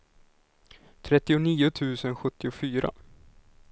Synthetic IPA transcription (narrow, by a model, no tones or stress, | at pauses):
t̪ʰɾɛt̪ːɪʊniːʊt̪ʰʉ̟ːsənɧɵt̪ːɪʊfyːɾa̰